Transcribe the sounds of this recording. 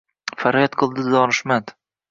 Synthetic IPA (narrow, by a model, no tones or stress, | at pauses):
faɾjat̪qʰɨlˠd̪ɪɒnɪʃmad̪